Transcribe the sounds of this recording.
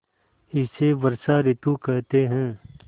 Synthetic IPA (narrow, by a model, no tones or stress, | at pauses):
ɪseʋɐɾsaɾɪt̪ukɛɦt̪eɦɛ̃ː